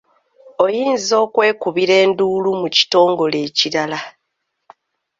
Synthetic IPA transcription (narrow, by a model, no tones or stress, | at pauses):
o̞jiːnzo̞ːkwe̞ːkuβiɾe̞ːnduːlumuci̥to̞ːŋɡo̞le̞ːciɾala